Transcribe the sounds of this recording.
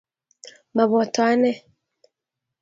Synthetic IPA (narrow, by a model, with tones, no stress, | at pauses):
ma˨βɔ˨twa˦nɛ˦